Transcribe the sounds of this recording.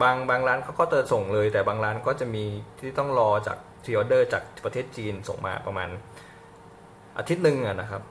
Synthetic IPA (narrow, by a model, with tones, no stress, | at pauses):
baː˧ŋbaː˧ŋɾaː˦˥nkʰa˦˥wkɔː˥˩t͡ɕɤ˨˩so˨˩ŋlɤː˧jt̪ɛː˨˩baː˧ŋɾaː˦˥nkɔː˥˩t͡ɕa˨˩miː˧t̪ʰiː˥˩t̪ɔ˥˩ŋɾɔː˧t͡ɕa̰ː˨˩k̚t̪ʰɾiː˧ʔɔː˧dɤː˥˩t͡ɕa̰ː˨˩k̚pɾa˧t̪ʰeː˥˩t̪̚t͡ɕiː˧nso̰˨˩ŋmʔa̰ː˧pɾa˧ma̰ː˧n | ʔa̰˧t̪ʰi˦˥t̪̚nɯ˨˧ŋʔa˨˩na˦˥kʰa˦˥p̚